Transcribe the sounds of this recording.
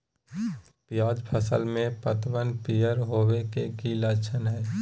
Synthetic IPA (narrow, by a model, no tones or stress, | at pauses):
pjaːd͡ʒpʰəsə̰lmẽpət̪ʋənpijəɾɦoːwekeɡilət͡ʃʰənɦɛː